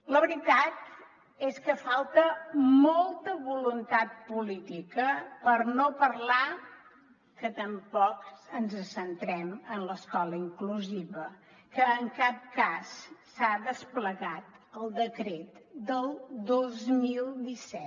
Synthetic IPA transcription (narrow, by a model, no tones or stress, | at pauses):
ləβɾit̪at̪ | eskəfalˠt̪əmolˠt̪əβulunt̪at̪̚pulit̪ikəpəɾnopərla | kət̪əmpɔkənzəsənt̪ɾɛmənləskɔləiŋkluziβə | kəːŋkap̚kasː | aðəspləɣat̪əlˠd̪əkɾet̪d̪əlˠd̪ozmilˠd̪isɛt̪